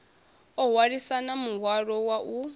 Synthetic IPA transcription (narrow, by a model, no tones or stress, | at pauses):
ɔɦwaɺisanamuɦwaɺɔwaʔu